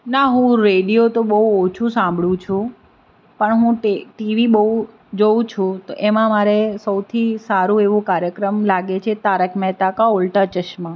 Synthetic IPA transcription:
naɦũɾeɽijot̪oɓəɦuot͡ʃʰũsãmbʱɭũt͡ʃʰũ | pəɳɦũʈeʈiʋiɓəɦu | d͡ʒoũt͡ʃʰũt̪oʔemãmaɾesəwt̪ʰisaɾũeʋũkaɾjəkɾəmlaɡet͡ʃʰet̪aɾəkʰmɛɦt̪akaolʈat͡ʃəʃmã

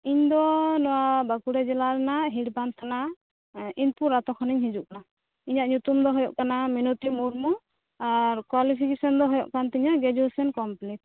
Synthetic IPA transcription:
iɲd̪ɔnɔwabakuɽɛd͡ʒɛlaɾɛnaɦiʈbant̪ʰana | inpuɾːat̪ɔkʰaniɲɦid͡ʒuʔkana | iɲaʔɲut̪umd̪ɔɦɔjɔʔkanaminut̪imuɾmɔ | aɾkwalipʰikesɔnd̪ɔɦɔjɔʔkant̪iɲaɡɛd͡ʒɔsɛnkɔmpliʈ̚

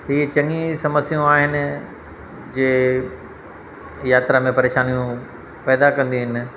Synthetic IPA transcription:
ɦiːt͡ɕɐ̃ŋisɐməsijũaːɦɪnɪ̆ | d͡ʑeː | jaːt̪ɾamẽpɐɾeːʃaːnijũ | pɛːd̪akɐ̃nd̪iɦɪnɪ̆

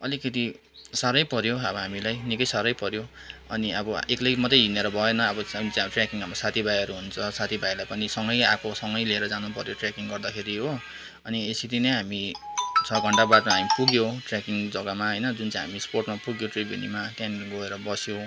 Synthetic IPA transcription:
ʌlikʌt̪i | saɾʌjpʌɾjoʌbʌɦamilajnikʌjsaɾʌjpʌɾjoʌniʌbʌeklejmʌd̪ʌjɦineɾʌbʱʌjenʌːbʌt͡sʈrjakiŋamʌsat̪ʰibʱajʌɾuɦunt͡sʰʌsat̪ʰibajlajpʌnisʌŋɡʌjakʰosʌŋɡʌjleeɾʌd͡zanupʌɾjoʈrakiŋɡʌrd̪akʰeɾiɦo | ʌniesit̪inʌjɦamit͡sʰʌɡʱʌɳʈabad̪maɦamipuɡjoʈrakiŋd͡zʌɡʌmaɦʌjnʌd͡zunt͡sãj̃ɦa̰misporʈmapuɡjoʈribʱjḭnḭmat̪janɡʌeɾʌbʌsjo

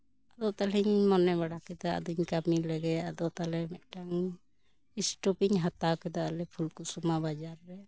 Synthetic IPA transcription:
ad̪ɔʔt̪aliɲmɔnɛβaɽakɛd̪aʔa̰d̪uɲkamilɛɡɛad̪ɔʔt̪alɛmɛʔʈaŋ | isʈɔpiɲɦat̪akɛd̪aʔalɛpʰulkusumabad͡ʒaɾːɛ

